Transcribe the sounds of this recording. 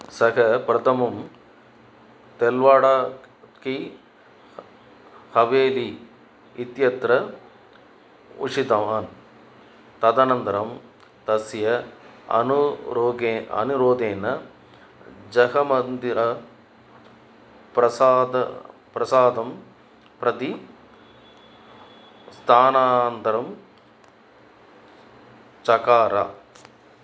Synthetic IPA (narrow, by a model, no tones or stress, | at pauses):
sɐkɐpɾɐt̪ʰɐmɐm | t̪elʋaːɽaː | ki | hɐʋeːli | it̪jɐt̪ɾɐ | ṵʂit̪ɐmaːn | t̪ɐd̪ɐnɐnt̪ɐɾɐm | t̪ɐsjɐɐ̰nuɾoːɡeːɐ̰nuɾoːd̪eːnɐ | d͡ʒɐɦɐmɐnd̪iɾɐ | pɾɐsaːd̪ɐ̰pɾɐsaːd̪ɐm | pɾɐt̪i | st̪ʰaːnaːnɐnt̪ɐɾɐm | t͡ʃɐkaːɾa̰